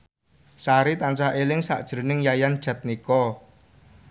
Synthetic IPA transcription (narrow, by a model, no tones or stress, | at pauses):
saɾit̪ant͡ʃaʔelɪŋsa̰ʔd̥ʒ̥ɾunɪŋjajand̥ʒ̥a̤t̪̚nikɔ